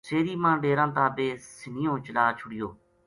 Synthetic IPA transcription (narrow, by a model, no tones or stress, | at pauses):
seːɾiːmãːɖeːɾãːt̪ãːbeːsɪnɪjõːt͡ʃəlaːt͡ʃʰʊɽɪjoː